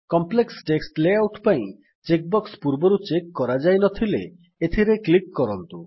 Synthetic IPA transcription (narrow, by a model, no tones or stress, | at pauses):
kɔmpleksʈeksʈleawʈpaĩ | t͡ʃek̚bɔkspuɾboɾut͡ʃekːɔɾad͡ʒajnɔt̪ʰilḛ | et̪ʰiɾeklikːɔɾɔnt̪u